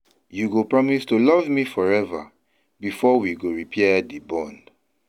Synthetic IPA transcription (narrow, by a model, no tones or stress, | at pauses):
juɡopɹɔmistulɔvmifɔɹɛva̰ | bifɔwiɡoɹipʰɛdibɔ̃nd